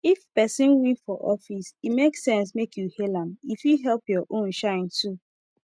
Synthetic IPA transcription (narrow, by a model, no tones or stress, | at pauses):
ifpɛsɪ̃nwĩfɔʔɔfisimeksɛ̃ns̬mekjuhelãmifjuɦɛlˠpjɔʔõnʃãɪ̃ntu